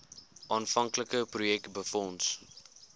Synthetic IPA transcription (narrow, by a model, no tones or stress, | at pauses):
ʔɑːnfɐŋkləkəprujɛk̚tbəfɔns